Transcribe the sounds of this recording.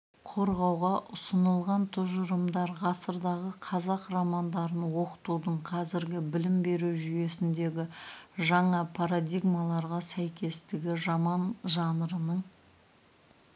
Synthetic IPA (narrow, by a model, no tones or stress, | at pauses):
qʰo̞ɾʁɑwʁɑʔʊsənəlˠʁɑnt̪ʰʊʒʊɾəmd̪ɑɾʁɑsəɾd̪ɑʁəqʰɑzɑqramɑnd̪ɑɾənwo̞qə̥t̪ud̪əɴqʰɑzɪɾɡʲɪbɪlɪmbe̞ɾuwʒʏje̞sɪnd̪e̞ɡʲɪʒɑɴɑpʰaɾad̪ʲiɡmɑlˠɑɾʁɑsæjkʲe̞st̪ɪɡʲɪʒɑmɑnʒɑnəɾənəɴ